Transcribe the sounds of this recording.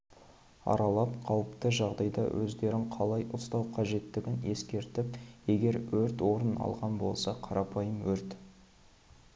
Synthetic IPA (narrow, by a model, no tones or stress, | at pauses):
ɑ̰ɾɑlˠɑpqʰɑwəpt̪əʒɑʁd̪ɑjd̪ɑ̰wʔɵ̰zd̪e̞ɾɪŋqʰɑlˠɑjʔʊst̪ɑwqʰɑʒe̞t̪ːɪɡʲɪne̞skʲe̞ɾt̪ɪp̚je̞ɡʲe̞ɾwɵɾt̪wo̞ɾənɑ̰lˠʁɑnbo̞̰lˠsɑqʰɑɾʔɑpʰɑjəmwɵɾt̪